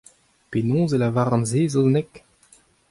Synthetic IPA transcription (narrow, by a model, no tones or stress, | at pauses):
penɔ̃ːzelavaːʁɑ̃nzeːzoznɛk